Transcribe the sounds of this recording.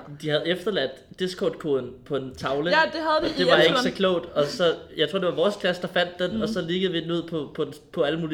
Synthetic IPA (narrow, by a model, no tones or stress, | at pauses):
d̥ihæð̩ˠefd̥ɐlæd̥ːesɡ̥ʰɒ̰ːd̥̚kʰoðˠn̩pʰɒ̽e̝nt͡sʰɑ̈ʊləd̥ehæðˠd̥e̝ʋʋɑ̈eɡəsɒ̽kʰlɔʊ̰d̥ɒ̽sɒ̽jɑ̈ɪt͡sʰʁo̝̰d̥e̝ʋɑʋɒːskʰlæsd̥ɑ̈fæn̰d̥ːenɒ̽sɒ̽le̝ɡ̥əð̞̩ˠʋid̥enuð̰ˠpʰɒ̽pʰɒ̽pʰɒ̽æləmuːli